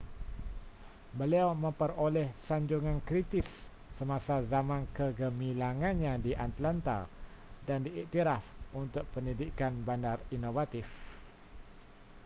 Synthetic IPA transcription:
bəliawmə̃mpəɾolɛhsaɲd͡ʒuŋãnkɾit̪ɪsː | əmasazamãnkəɡəmĩlaŋãnɲãdiʔat̪lant̪a̰dandiiʔt̪iɾafunt̪ʊk̚pəndidikanbandarinovat̪if

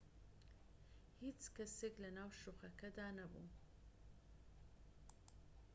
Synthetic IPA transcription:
hiːt͡ʃkɐseklɐnaːwʃuχɐkɐd̪aːnɐbṵ

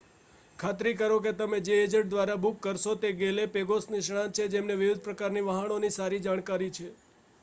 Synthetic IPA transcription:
kʰat̪ɾik̬əɾoket̪əmed͡ʒeed͡ʒəʈ̚d̪ʋaɾabukːəɾʃot̪eɡelepeɡosniʃɽ̃ãt͡ʃʰed͡ʒemneʋɪʋɪd̪̚ʱpɾəkaɾniʋəɦanonisaɾid͡ʒaɽ̃kaɾit͡ʃʰe

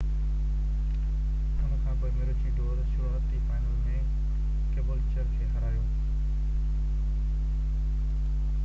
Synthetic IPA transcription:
ɦʊnəkʰãːpoːɪmeːɾot͡ɕiːʈoːzʃɪʋoɦət̪ifaːɪnəlmẽ | keːbəlt͡ɕəɾkʰeːɦɐɾaːjõː

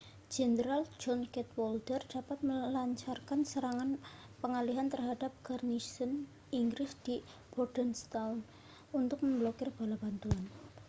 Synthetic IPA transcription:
d͡ʒɛndəɾald͡ʒɔnkɛt̪wɔld̪ərd̥apat̪̚məlaɲt͡ʃarkansəɾaŋan | pəŋaliɦant̪ərɦadap̚ɡ̥arnisən | iŋɡɾɪsd̪̥i | b̥ɔrd̥ənst̪awn | unt̪ʊk̚məmblokɪrb̥alab̥ant̪uan

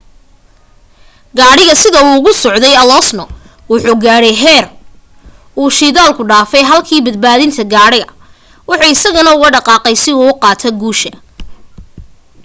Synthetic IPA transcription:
ɡaːɽɪɣɐsɪðɐuɣʊsɔʕd̪ɛjɐlɔsnɔ | wʊħuːɡaːɽɛjɦɛːr | uːʃiðaːlkʰʊɖaːfɛjɦɐlkʰiːbɐd̪̚baːðɪnt̪ʰɐɡaːɽɪɣɐ | wɑħɑɪsɐɣɐnɐʊɣɐɖɑqɑːqɛjsɪuʊqɑːt̪ʰɐɡuːʃɐ

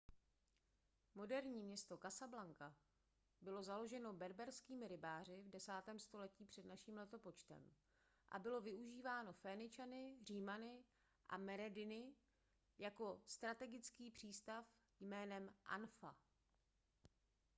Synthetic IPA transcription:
mo̞dɛɾɲiːmɲɛst̪o̞kasablaŋka | bɪlo̞zalo̞ʒɛno̞bɛɾbɛɾskiːmɪɾɪbaːr̝ɪvdɛsaːt̪ɛːmst̪o̞lɛciːpr̝̥ɛdnaʃiːmlɛt̪o̞po̞t͡ʃt̪ɛ̰m | ʔa̰bɪlo̞vɪʔuʒiːvaːno̞fɛnɪt͡ʃanɪr̝iːmanɪ | ʔa̰mɛɾɛdɪnɪ | jako̞st̪ɾat̪ɛɡɪt͡skiːpr̝̥iːst̪af | jmɛːnɛmʔa̰nfa̰

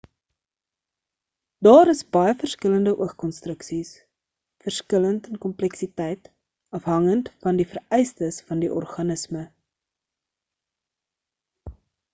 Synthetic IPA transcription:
dɑːɾəsbɐjəfərskələndəʔuəχkɔnstrəksis | fərskələntɛnkɔmplɛksitɛjt | ɐfɦɐŋəntfɐndifərɛjstəsfɐndiʔɔ̰rχɐnəsmə

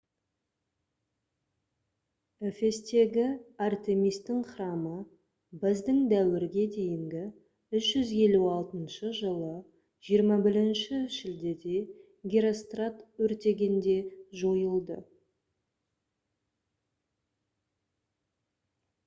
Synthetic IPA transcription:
efe̞st̪e̞ɡʲɪart̪e̞mijst̪ːɪŋχɾɑmə | bezd̪ɪŋd̪æwɪɾɡʲe̞d̪e̞jɪŋɡ̪ʲɪ | ʏʃʒ̥ʏzje̞luɑlˠt̪ənʃəʒəlˠə | ʒ̥ijəɾmɑbɪɾɪnʃɪʒɪld̪e̞d̪e̞ | ɡʲiɾo̞st̪rat̪wɵɾt̪e̞ɡʲe̞nd̪e̞ʒo̞jəlˠd̪ə

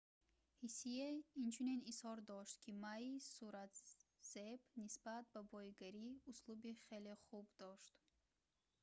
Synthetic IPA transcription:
hisijeint͡ʃʰuninishɔɾd̪ɔʃt̪kʰimaisuɾat̪z̥ebnisbat̪̚babɔjiɡaɾiuslubiχeleχubd̪ɔʃt̪

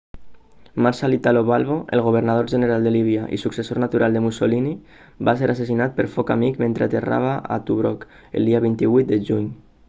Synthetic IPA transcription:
maɾʃalit̪aloβalˠβoʔḛlˠɣ̞uβ̞əɾnað̞oɾʒəneɾalˠd̪əliβ̞iaʔḭsuksesonat̪uɾalˠd̪əmusolini | baseɾases̬inat̪̚pəɾfɔkamikment̪ɾeat̪era̰β̞aa̰t̪uβɾɔk | ə̰lˠd̪iaβ̞int̪iβujt̪̚d̪əʒuɲ

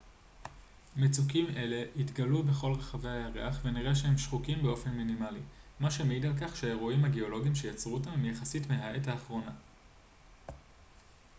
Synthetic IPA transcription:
met͡sukime̞le̞itɡalube̞χo̞lʁeχave̞hajaʁḛaχve̞niʁeʃ̬eɦemʃχukimbeo̞fe̞nminimalimaʃemeidalk̬aχʃeae̞ʁuimhaɡeo̞lo̞ɡimʃe̞jat͡sʁuotamemjaχasitmeɦae̞thaːχʁo̞na

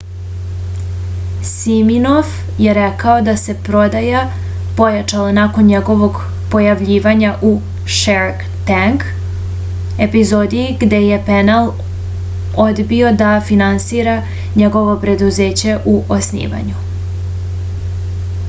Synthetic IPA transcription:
siminof | je̞ɾɛkaod̪ase̞pɾo̞d̪aja | po̞jat͡ʃalanakonɲeɡo̞ʋo̞ɡ | po̞jaʋʎiːʋaɲaʔu | ʃeɾk | t̪aŋk | e̞pizod̪iːɡd̪e̞je̞penalˠ | od̪bio̞d̪afinansiːɾa | ɲe̞ɡo̞ʋo̞pɾe̞d̪uzeːt͡ɕe̞ʔuʔosnḭːʋa̰ɲu

